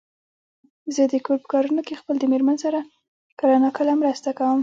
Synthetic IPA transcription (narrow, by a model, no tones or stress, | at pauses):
zəd̪əkoɾpə̥kɑɾunokexpəld̪əmeɾmansaɾa | kaɾɑnɑkəlamɾəst̪akawəm